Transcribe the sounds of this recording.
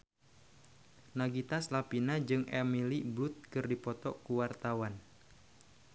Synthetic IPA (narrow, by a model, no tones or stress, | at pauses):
naɡit̪aslapinad͡ʒɨŋɛmiliblut̪̚kɨrdipɔt̪ɔ̰kuwart̪awan